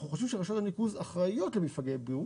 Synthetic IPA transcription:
uχoʃɛvʃeʁaʃot̪anikuzaχʁajo̞tlemifaɡebiu

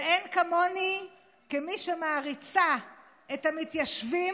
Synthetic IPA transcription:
enkamoni | kemiʃemaːʁit͡sa | etamitjaʃvi

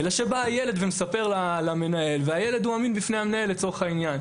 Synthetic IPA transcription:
elaʃe̞baːjeled̪vemesape̞ʁlalame̞nae̞lveajeled̪uaminbifnejamenae̞lːet͡so̞eχainjan

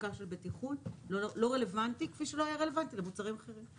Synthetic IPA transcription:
kaʃelbetiχunlolo̞ʁe̞le̞vantikfiʃelohajaʁele̞vantilemut͡saʁimaχe̞ʁim

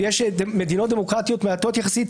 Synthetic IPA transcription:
jeʃdmed̪inot̪̚d̪emokʁat̪ijo̞t̪meat̪o̞t̪jaχasit̪

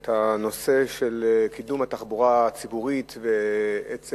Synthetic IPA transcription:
t̪hano̞se̞ʃelkid̪umat̪aχbuʁat͡sibuʁit̪veet͡s

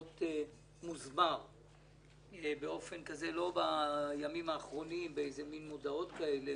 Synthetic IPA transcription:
te | muzmaʁ | ebeo̞fe̞nkaze̞lo̞bajamimaːχʁo̞nimbeejzeminmodao̞t̪kaele

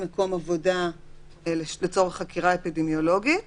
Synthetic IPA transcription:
meko̞mavo̞da | lelet͡so̞ʁeχakiʁaepidemjo̞lo̞ɡi

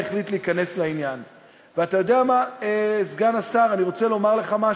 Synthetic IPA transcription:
eχlitleikane̞slainjan | veatajo̞deamaezɡanasaʁaniʁo̞t͡se̞lo̞maʁle̞χama

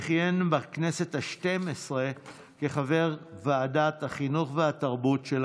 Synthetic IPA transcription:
χjenbakne̞se̞t̪haʃtemesʁe | keχave̞ʁvaːdat̪haχinuχveat̪aʁbutʃel

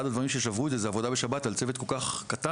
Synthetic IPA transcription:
adad̪vaʁimʃeʃavʁued̪zezeavo̞dabe̞ʃabatalt͡sevet̪̚ko̞lkaχkata

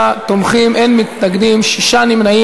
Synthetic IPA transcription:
t̪omχimʔenmit̪naɡd̪imʃiʃanimnai

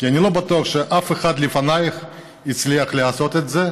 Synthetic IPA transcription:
kianʲilo̞bat̪uɐχʃeʔafeχad̪lifanajχ | it͡sliɐχleaso̞t̪et̪ze

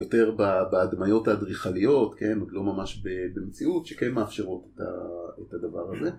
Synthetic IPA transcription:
jote̞ʁbabeːdmajo̞thadʁiχalijo̞tke̞nodlo̞mamaʃbe̞bemet͡siutʃekenmeafʃeʁo̞teta̰etadavaʁaze̞

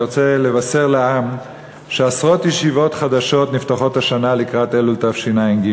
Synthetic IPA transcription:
ot͡sele̞vase̞ʁlaam | ʃeasʁo̞t̪jeʃivo̞tχad̪aʃo̞tniftaχo̞thaʃanalikʁat̪elult̪avʃinainɡi

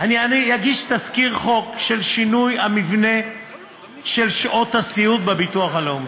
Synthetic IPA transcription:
anianijaɡiʃt̪askiʁχo̞kʃelʃinujamivne̞ | ʃelʃʔot̪hasiut̪̚bebituaχalom

